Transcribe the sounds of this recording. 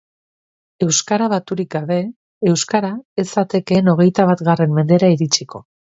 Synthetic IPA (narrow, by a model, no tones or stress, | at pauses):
e̞wskaɾaβat̪uɾik̚ɡaβ̞e̞ː | wskaɾaesat̪e̞ke̞no̞ɣ̞e̞jt̪aβat̪ɣare̞mme̞nd̪e̞ɾaiɾit͡ʃiko̞